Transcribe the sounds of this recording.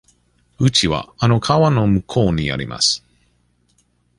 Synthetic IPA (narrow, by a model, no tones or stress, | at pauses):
ɯ̟t͡ɕiβa̰ano̞kʰaβano̞mɯ̟kʰo̞ːɲ̟ia̰ɾʲḭmʔa̰sɨ̥